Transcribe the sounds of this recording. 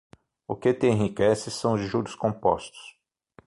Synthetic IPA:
ʊket̪ẽẽɦikɛsɪsɐ̃w̃ʊzʒuɾʊskõpɔ̰st̪ʊ̥s

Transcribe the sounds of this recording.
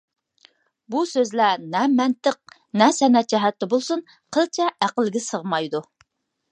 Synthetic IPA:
busøzlænɛmɛnt̪əq̚ | nɛsɛnɛt̪̚d͡ʒɛɦɛt̪ːɛbolˠsun | qʰəlˠt͡ʃʰɛæqəlˠɡʲɪsəʁmɑjd̪u

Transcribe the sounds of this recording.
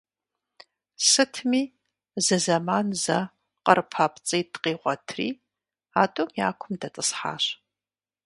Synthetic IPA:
sɨtʰmiː | zɨzɐmaːnzɐ | qərpʰaːpt͡sʼijdqiːʁʷɔtʰrḭː | aːtʼomja̰ːkʷʰʊmdɐt͡sʼɨsħa̰ːɕ

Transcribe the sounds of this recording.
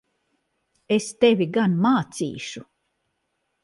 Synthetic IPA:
est̪evʲiɡanmaːt̪sḭːʃu

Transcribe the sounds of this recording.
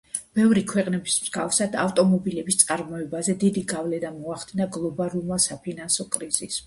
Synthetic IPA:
b̥ɛvɾikʰwɛqʼnɛbismz̥ɡafsad̪aft̪ʼɔmɔbilɛbist̪sʼaɾmɔɛbazɛd̪id̪iɡavlɛnamɔaχd̪inaɡlˠɔbalulˠmasapʰinansɔkʼɾiz̥is

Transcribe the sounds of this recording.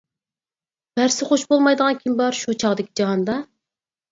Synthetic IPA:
b̥æɾsɪχoʃbolˠmɑjd̪əʁɑnkʲʰimbɑɾʃut͡ʃʰɑʁd̪ɪkʲʰid͡ʒɑɦɑnd̪ɑ

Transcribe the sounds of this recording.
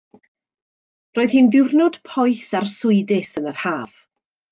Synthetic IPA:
roːð̥hinðɪwrnɔd̥pʰɔjθarsʊɨdɪsənər̥haːv̥

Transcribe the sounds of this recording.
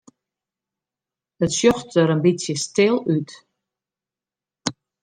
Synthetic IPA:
ətʃjɔχtːəɾənbit͡sʰjistʰɪlˠytʰʼ

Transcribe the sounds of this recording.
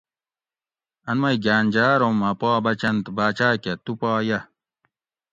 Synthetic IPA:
ɐnmɐjɡaːnʲd͡ʑaːɾomɐpaːbɐt͡ɕɐnt̪baːt͡ɕaːkɐt̪upaːjɐ

